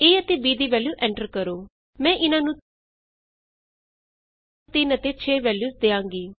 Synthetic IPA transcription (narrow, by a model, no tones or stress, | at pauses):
eːət̪eːbiːd̪iːʋɛːljuːʔɛ̃ɳʈəɾkəɾoː | mɛ̃ːʔɪnãːnũː | t̪ɪnət̪eːt͡ʃʰeːʋɛːljuːsd̪eːãːŋɡiː